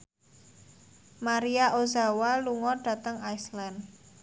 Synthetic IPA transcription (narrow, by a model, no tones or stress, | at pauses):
maɾiaʔozawaluŋɔɖ̥ä̤t̪əŋajslan